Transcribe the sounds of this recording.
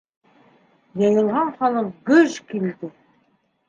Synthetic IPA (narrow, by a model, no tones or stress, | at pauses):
jɑjɤ̆lˠʁɑɴχɑlˠɤqɡɵʒkild̪ɘ